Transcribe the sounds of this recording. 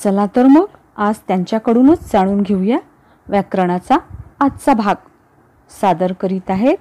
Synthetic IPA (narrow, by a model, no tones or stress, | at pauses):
t͡səlat̪əɾməɡ | ad͡zt̪jaɲt͡ɕjakəɽuːnət͡sd͡zaɽ̃uːnɡʱewja | ʋɛkɾəɽ̃at͡saːt̪t͡sabʱaɡ | sad̪əɾkəɾiːt̪aɦet̪̚